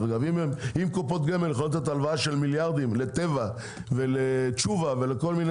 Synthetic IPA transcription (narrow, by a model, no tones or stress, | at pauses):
ɡavimemimkopot̪̚ɡemeljeχonot̪at̪alvaaʃelmiljaʁd̪imle̞t̪e̞va | velet͡ʃuvave̞leko̞lmin